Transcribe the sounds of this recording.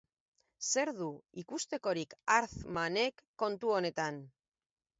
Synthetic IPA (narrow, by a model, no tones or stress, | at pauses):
se̞ɾðuikust̪e̞ko̞ɾikaɾθmane̞kːo̞nt̪uo̞ne̞t̪an